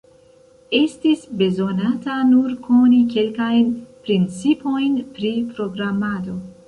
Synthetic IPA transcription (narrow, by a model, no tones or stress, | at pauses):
est̪isbezonat̪anuɾkʰonikelkajnpɾint͡sipojnpɾipɾoɡɾamːad̪o